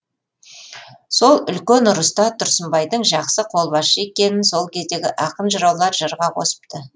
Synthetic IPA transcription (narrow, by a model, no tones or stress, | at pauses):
so̞lˠʏlkʲe̞nʊɾəst̪ɑt̪ʰʊɾsəmbɑjd̪əɴʒɑqsəqʰo̞lˠbɑʃəe̞kʲe̞nɪnso̞lˠkʲʰe̞zd̪e̞ɡʲɪʔɑqənʒəɾɑwlˠɑɾʒəɾʁɑqʰo̞̰sə̥p̚t̪ə